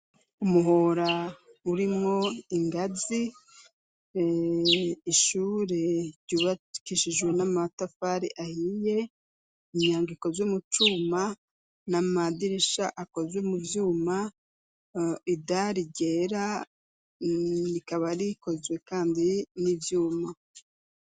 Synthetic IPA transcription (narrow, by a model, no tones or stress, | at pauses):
umuɦoɾa | uɾimŋo̞iŋɡazi | iʃuːɾeɾɟuβakiʃiʒwe̞namatafaɾiʔahije̞ | iɲɲaːŋɡiko̞zwomut͡ʃuːma | namadiɾiʃaʔako̞zwemuvjuːma | idaɾiɟe̞ːɾa | ɾikaβaɾiko̞zwe̞kaːndinivjuːma